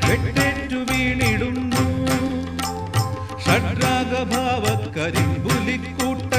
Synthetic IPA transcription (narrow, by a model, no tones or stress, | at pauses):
ʋeʈːeʈːuʋiːɳiɽunːu | ʂɐɖɾaːɡɐbʱaːʋɐkkːɐɾimbulikːuːʈːɐ